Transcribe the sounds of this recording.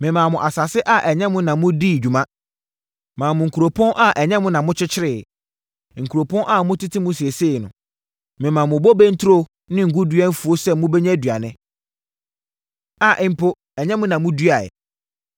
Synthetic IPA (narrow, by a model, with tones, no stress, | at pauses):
mɪ̃˨mãː˨mʊ̃˨ʔa˨sa˨sɪ˦ʔa˨ʔɛ˨ɲɛ̃˦mʊ̃˦nã˨mʊ̃˦di˦˨d͡ʑᶣu˨mã˦ | mãː˨mʊ̃˨ŋ̩˨kʰu˨ɾo˨pʰɔ̃˦nʔa˦ʔɛ˨ɲɛ̃˦mʊ̃˦nã˨mʊ̃˦t͡ɕʰɪ˦t͡ɕʰɪ˦ɾɪː˨ | ŋ̩˨kʰu˨ɾo˨pʰɔ̃˦nʔa˦˨mʊ̃˦tʰi˦tʰi˦mʊ̃˦si˨e˨seː˦˨nʊ̃˨ | mɪ̃˨mãː˨mʊ̃˨bɔ˦bɛ˦n̩˦tʰʊ˦ɾo˦ | nɪ̃˦ŋ̩˨ɡu˦dɥa˦n̩˦fu˨o˦sɛ˦mʊ̃˦bɛ˦ɲɛ̃˦dɥa˨nɪ̃˦ | a˨ʔɪ˨m˦˨pʰo˦ | ɛ˨ɲɛ̃˦mʊ̃˦nã˨mʊ̃˦du˦a˨ɛ̰˨